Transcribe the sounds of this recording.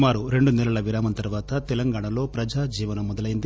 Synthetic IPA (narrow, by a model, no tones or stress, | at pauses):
maːɾuɾe̞ɳɖunɛlɐɭɐʋiɾaːmɐnt̪ɐɾʋaːt̪ɐt̪ɛlɐŋɡaːɳɐlo̞ːpɾɐd͡ʒaːd͡ʒiːʋɐnɐmɔd̪ɐlɐjind̪i